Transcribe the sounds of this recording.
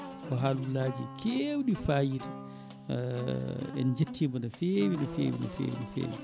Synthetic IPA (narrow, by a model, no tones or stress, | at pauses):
ʔɔɦalulaːd͡ʒikʰewɗifaːjiɾi | ɛ̰nd͡ʒetʰːimbɔnɔfewinɔfḛːwḭnɔ̰fḛːwḭnɔfḛːwi